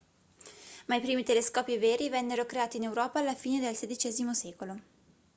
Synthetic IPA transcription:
maipɾiːmit̪eleskɔːpiveːɾivɛnːeɾokɾeaːt̪iːnewɾɔːpaːlːafiːned̪elsed̪it͡ʃɛːzimosɛːkolo

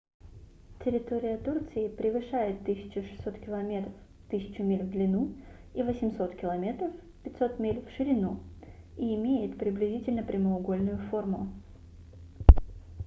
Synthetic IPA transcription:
tʲɪɾʲɪt̪oɾʲɪjət̪urt̪sɨɪpɾʲɪvɨʂajɪt̪ːɨsʲɪ̥t͡ɕʊʂɨ̥sʲːo̞t̪kʲɪlˠɐmʲet̪ɾəf | t̪ɨsʲɪ̥t͡ɕʊmʲelʲvd̪lʲɪnu | ivəsʲɪmʲso̞t̪kʲɪlˠɐmʲe̞t̪ɾəf | pʲɪtʲso̞t̪mʲelʲfʂɨɾʲɪnu | iːmʲejɪt̪pɾʲɪblʲɪzʲitʲɪlʲnəpɾʲɪməʊɡo̞lʲnʊjʊfo̞rmʊ

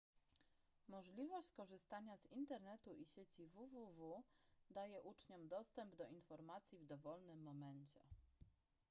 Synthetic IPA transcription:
mɔʐlʲivɔɕt͡ɕkɔʐɘst̪aɲazint̪ɛɾnɛt̪uʔiɕet͡ɕivuvuvud̪ajɛʔut͡ʂɲɔmd̪ɔst̪ɛmbd̪ɔinfɔɾmat̪sʲjivd̪ɔvɔlnɘmːɔmɛɲt͡ɕɛ̰

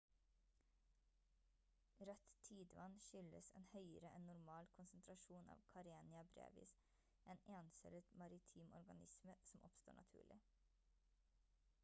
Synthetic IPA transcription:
ɾɛt̪t̪ʰiːd̪ʋɑnʃʏləsɛnhœʏəɾəʔɛnːʊɾmɑːlkʰʊnsənt̪ʰɾɑʃuːnɑ̰ːʋkʰɑɾeːnɪɑbɾḛːʋɪ̰s | ʔeːneːnsɛlət̪mɑɾɪt̪ʰiːmɔɾɡɑ̰nɪsməsɔmʔɔpst̪oːɳʔɑ̰t̪ʰʉ̰ːɭɪ

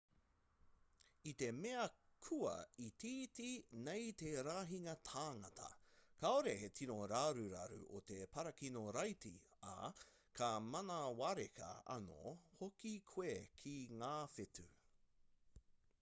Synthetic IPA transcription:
it̪e̞meɐkʰuɐ̰it̪ʰiːtinejt̪eɾaːɦiŋɐt̪ʰaːŋɐtʰɐ̰kʰaoɾehetʰinoɾaːɾuɾɐ̰ɾṵʔot̪epɐɾɐkinoɾɐjtḭ | ɐ̰ | kʰɐmɐnɐwaɾekɐ̰ɐ̰no̰hokikʰwekʰiŋaːfetʉ

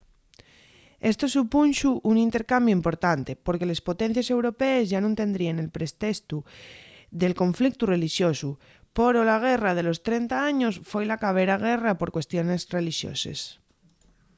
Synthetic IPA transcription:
e̞st̪osupunʃuʔuŋint̪e̞ɾkambjoimpo̞ɾt̪ant̪e̞po̞ɾke̞le̞spot̪en̟θjese̞wɾopeːzʝanũnt̪e̞nd̪ɾiene̞lpɾest̪est̪u | ðelko̞ɱflik̚t̪ure̞liʃjo̞su | poɾolaɣ̞erað̞e̞lo̞st̪ɾent̪aaɲosfwojlakaβ̞eɾaɣ̞erapo̞ɾkwe̞st̪jo̞ne̞sre̞liʃjo̰sḛs

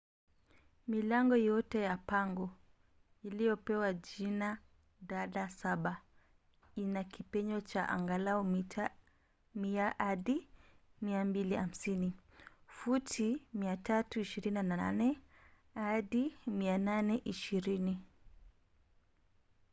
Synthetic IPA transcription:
milaŋɡɔjɔtɛjapaŋɡɔ | ilijɔpɛwaʄina | ɗaɗasaɓa | inakipɛɲɔt͡ʃaʔa̰ŋɡalaɔmita | miahaɗimiambiliam̩sinifutʰimiatatuiʃiɾininaa̰nɛ | haɗimiananɛʔiʃiɾini

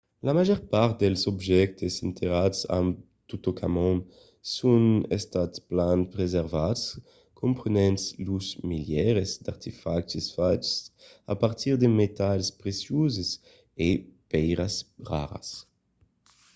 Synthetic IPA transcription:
lamaʒɔɾpaɾt̪̚d̪elsobʒɛk̚t̪esint̪ʰeɾad̪sã̰m | t̪ut̪okʰamɔ̃n | sũnḛst̪at̪splanpɾezeɾvad̪s | kʰõmpɾenɛ̃nt̪sluzmiljɛɾezd̪aɾt̪ifakt͡ʃisfat͡ʃsa̰paɾt̪iɾd̪emet̪alspɾesjuzes | epɛjɾɐsʁa̰ɾɐ̰s

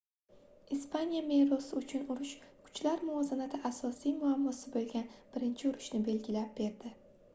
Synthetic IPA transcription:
ispʰanijame̞ɾɒsɪʊt͡ʃʰʊnʊɾʊʃkʰʊ̥t͡ʃlaɾmʊɒzanat̪ʰɪʔasɒsijmʊamːɒsɪbolˠɡʲanb̥ɪɾɪnt͡ʃʰɪʊɾʊʃnɪbe̞lɡʲɪlap̚b̥e̞ɾd̪ɪ

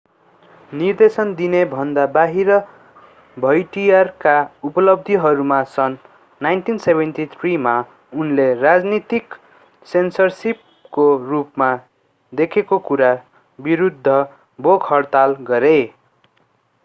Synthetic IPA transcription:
nird̪esʌnd̪inebʱʌnd̪abaɦiɾʌ | bʱʌjʈijarkaupʌlʌb̚d̪ʱiɦʌɾumasʌnː | ajnʈinsebʱenʈit̪ʰrima | unlerad͡znit̪ik | sensʌrsip̚ | korupma | d̪ekʰekokuɾa | biɾud̪ʱːʌ | boɡhʌrt̪alɡʌɾe

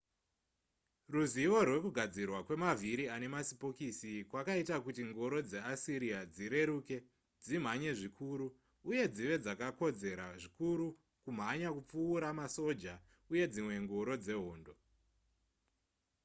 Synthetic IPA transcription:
ruziʋo̞rwe̞kuɡʱad͡zirwakwe̞maviɾiane̞masipo̞kisikwakaitakutiŋɡoɾo̞d͡ze̞asiɾijad͡ziɾe̞ɾuːke̞ | d͡zim̤aɲe̞ʐikʰuɾuː | je̞d͡ziʋe̞d͡zakako̞d͡ze̞ɾaʐikuɾu | kum̤aɲakup͡fuːɾamaso̞d͡ʒa | uje̞d͡zimwe̞ŋɡoɾo̞d͡ze̞ɦoːndo̞

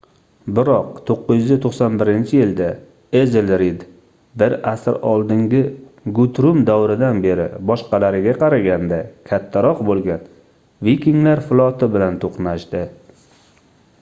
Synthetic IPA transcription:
bɪɾɒqt̪ʰoqːʊzjyzɪt̪ʰoqsɒnbɪɾɪnt͡ʃʰɪjɪld̪a | ezlɾid̪ | bɪɾasɪɾɒlˠd̪ɪŋɡʲɪɡʊt̪ɾʊmd̪awɾɪd̪anbe̞ɾɪ̰bɒʃqɑlaɾɪɡʲaqʰɑɾaɡʲand̪akʲʰat̪ʰːaɾɒqbolˠɡʲan | vikʲiŋlaɾfɪlˠɒt̪ʰɪbɪlant̪ʰoqnaʃd̪ɪ

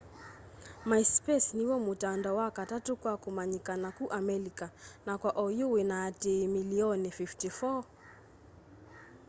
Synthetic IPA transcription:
majspɛsniwɔmutandɔwakatatukwakumaɲikanakuʔamɛlikanakwaʔɔjuwinatimiliɔnififtifɔ

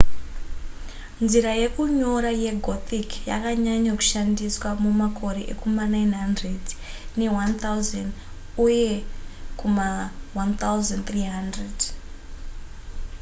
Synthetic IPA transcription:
nziɾaje̞kuɲo̞ɾaje̞ɡʱot̪ikja̰kaɲaɲaku̥ʃandiswamumakʰo̞ɾe̞ʔḛkʰomanajnɦandred | ne̞want̪ʰawzan | ujekumawant̪awzant̪riɦandred

